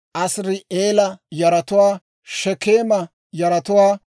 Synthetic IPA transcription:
ʔɐsɾɪeːlɐjɐɾɐt̪ʊwaː | ʃɛkeːmɐ | jɐɾɐt̪ʊwaː

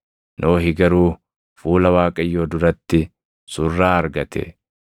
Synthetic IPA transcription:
nʔo̞ːɦɪɡɐɾuː | fuːlɐwaːkʼɐjːo̞ːd̪ʊɾɐt̪ːɪ | sʊrːaːɐɾɡɐt̪ʰɛ̰

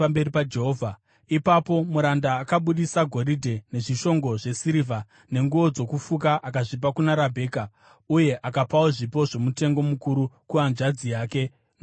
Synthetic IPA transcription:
ambe̞ripad͡ʒe̞ɦoːvʱa | ipapo̞muɾandaːkaɓuɗisaɡʱo̞ɾidʱe̞ne̞ʐiʃo̞ŋɡo̞ʐe̞siɾiva | ne̞ŋɡuʋo̞d͡zo̞kufuk̬aʔakaʐip̬akunaɾabʱe̞ːka | uje̞ʔakapawoʐipo̞ʐe̞mute̞ŋɡo̞mukuɾukuanʐad͡zijaːke̞

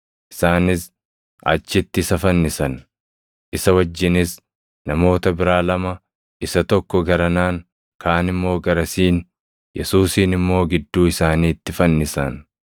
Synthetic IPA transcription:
ʔɪ̥saːnɪs | ɐ̰t͡ʃːɪt̪ːɪːsɐfɐnːɪsɐn | ʔɪsɐwɐd͡ʒːɪnɪs | nɐmo̞ːt̪ɐbɪɾaːlɐmɐ | ʔɪsɐt̪ɔkːɔɡɐɾɐnaːŋ | kʰaːnɪmːo̞ːɡɐɾɐsiːn | jɛsuːsiːnɪmːo̞ːɡɪd̪ːuːɪsaːniːt̪ːɪfɐnːɪsɐn

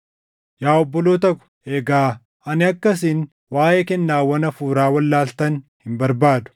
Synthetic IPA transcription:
jaːɔbːɔloːt̪ɐkʊ̥ | eːɡaː | ɐnɪɐkːɐs̬ɪn | waːʔeːkɛnːaːwɐnɐfuːɾaːwɐlːaːlt̪ɐnhɪmbɐɾbaːd̪ʊ̥

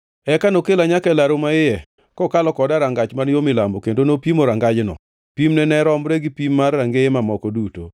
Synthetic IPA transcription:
ɛkanokelaɲakɛlaɾomaɪjɛ | kɔkalɔkɔdaɾaŋɡat͡ʃmanjomɪlambokendonopimoɾaŋɡad͡ʒnɔ̰ | pimnɛnɛɾɔmɾeɡipimːarːaŋɡeemamɔkɔduto̰

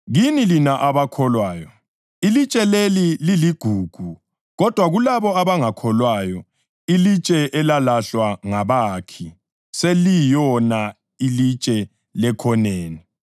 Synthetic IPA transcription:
ɣinilinaʔaβakʰɔlwaːjɔ | ilit͡ʃʼɛlelililiɡ̥ʱuːɡ̥ʱu | ɣɔd̥ʱwaɣulaβɔaβaŋakʰɔlwajɔ | ilit͡ʃʼɛʔɛlalaɬwaŋaβakʰi | selijɔna | ilit͡ʃʼɛ | lɛkʰɔneːni

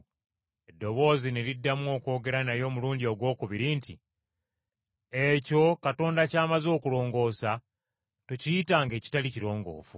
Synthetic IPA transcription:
e̞dːo̞βo̞ːzineɾidːamuo̞ːko̞ːɡe̞ɾanajo̞ːmuluːɲdio̞ɡwo̞ːkuβiɾintʰi | eco̞kato̞ːndacaːmazo̞ːkulo̞ːŋɡo̞ːsa | tocijitaŋɡe̞ːci̥taliciɾo̞ːŋɡo̞̰ːfu

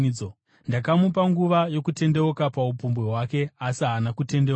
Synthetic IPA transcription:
o | ndakamupaŋɡuʋajo̞kute̞nde̞ukapaupumbweɦwake̞asianakute̞nde

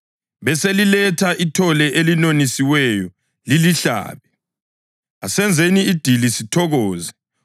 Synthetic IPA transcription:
βɛselilɛtʰaʔitʰɔlɛʔelinonisiwɛjɔ | liliɬa̰ːβɛ | a̰sɛnd͡zʱeniːd̥ʱilisitʰɔɣɔːzɛ

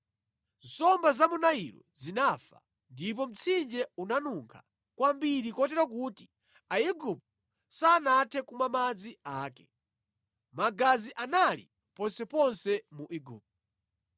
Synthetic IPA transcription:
nsɔmbazamunaiɾɔ̰zinafa̰ | ndip̬ɔm̩t͡sʰind͡ʒɛunanuŋkʰa | kwambiɾikɔtɛɾakuːti | aiɡup̚t | saːnatʰɛkumamad͡ziaːkɛ | maɡaziʔanalḭ | pɔnsɛpɔnsɛmuʔiɡup̚t̚

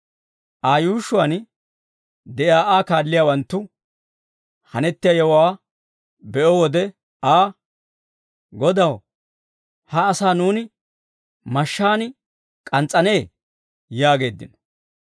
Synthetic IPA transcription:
ʔaːjuːʃʊwaɐn | d̪ɛʔjaːʔaːkaːlːɪjaːwɐnt̪ːʊ | hɐnɛt̪ːɪjajɛwwaː | bɛʔɔwɔd̪ɛ | ʔaː | ɡɔd̪ɐw | hɐːsaːnuːnɪ | mɐʃːaːn | kʼɐnt͡sʼːɐne̞ː | jaːɡe̞ːd̪ːɪ̰n

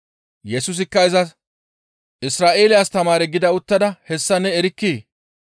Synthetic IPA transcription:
jɛsʊs̬ɪkːɐɪzɐs | ʔɪsɾaːʔe̞ːlɪjaːst̪ɐmaːɾɛɡɪd̪ɐʊt̪ːɐd̪ɐhɛsːɐnːɛɛɾɪkːiː

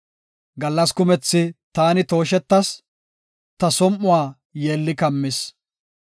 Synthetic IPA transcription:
ɡɐlːɐskʊmɛt͡sːɪt̪aːnɪt̪o̞ːʃɛt̪ːɐs | t̪ɐsɔmʔʊwaː | jeːlːɪkɐmːɪs

